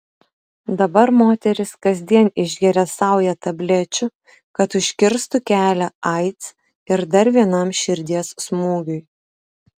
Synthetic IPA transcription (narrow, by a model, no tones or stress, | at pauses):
d̪ɐbɐɾmoːt̪ʲɛɾʲɪskɐzʲd̪ʲiɛnɪʒʲɡʲɛɾʲɛsɑˑʊjɛt̪ɐbʲlʲɛt͡ʃʲʊ | kɐt̪ʊʃʲkʲɪɾst̪ʊkʲæːlʲæɐɪt̪s | ɪɾd̪ɐɾʋʲiɛnɐˑmʃʲɪɾʲd̪ʲiɛsːmuːɡʲʊj